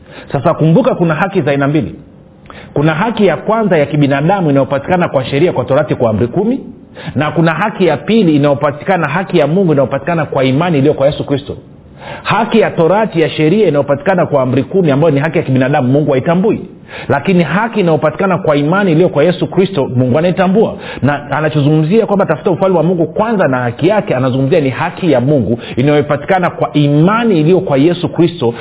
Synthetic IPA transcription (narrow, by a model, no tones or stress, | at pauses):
sasakumbukakunaɦakizainambilḭ | kunaɦakijakwanzajakiɓinaːɗamuinajɔpati̥kanakwaʃɛɾiakwatɔɾatikwam̩ɾikumi | nakunaɦakijapiliːnajɔpati̥kanaɦakijamuŋɡuinajɔpati̥kanakwaimaniːlijɔkwajɛsukɾistɔ̰ | hakijatɔɾatijaʃɛɾiainajɔpati̥kanakwaːm̩ɾikumiambajɔniɦakijakiɓinaɗamuːuŋɡuaitambui | lakiniɦakiːnajɔpati̥kanakwaimaniːlijɔkwajɛsukɾistɔmuŋɡuanaitambua̰ | naanat͡ʃɔzuŋɡum̩ziakwambatafu̥taufwalimwamuŋɡukwanzanahakijakɛanazuŋɡum̩zianihakijamuŋɡu | inajɔipati̥kanakwaʔimaniːlijɔkwajɛsukɾistɔ